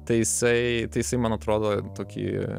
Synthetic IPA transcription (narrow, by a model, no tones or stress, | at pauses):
t̪ɐɪjɪsɐɪt̪ɐɪjɪsɐɪmɐnɐt̪ɾoːd̪oːt̪oːkʲḭː